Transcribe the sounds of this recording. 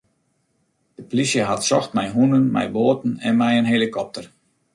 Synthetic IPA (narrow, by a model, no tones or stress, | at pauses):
d̥əplisjəɦatsɔxt̚mɛjɦunənmɛ̰jboːtn̩ɛnmɛjənɦelikʰɔp̚tər